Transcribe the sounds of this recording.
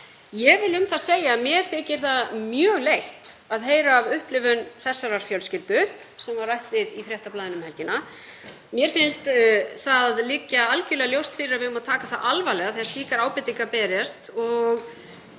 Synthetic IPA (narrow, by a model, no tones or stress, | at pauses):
jɛvɪlʏmθaðseːjaːmjɛɾ̥θɪːcɪɾ̥θaðmjœːɣlejht̪aðɦeːjɾaːvʏhplɪvʏnθɛsːaɾaɾ̥fjœwlscɪlt̪ʏ | sɛmvaɾrajht̪vɪðifɾjɛht̪aplaːðɪnʏmhɛlcɪna | mjɛɾ̥fɪnst̪θaðliːcaalcɪlɛɣaljowst̪fɪɾɪɾavɪðʏmaðt̪ʰaːkaθaʔalvalɛɣaθɛst̪liːkaɾaːwpɪt̪ːiŋkapɛːɾjast̪ɔɣ